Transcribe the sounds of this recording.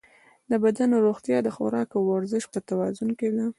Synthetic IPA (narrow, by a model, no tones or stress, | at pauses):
d̪əbad̪anɾoɣt̪jɑd̪əxo̰ɾɑkawaɾzɪʃpət̪awɑzʊnked̪a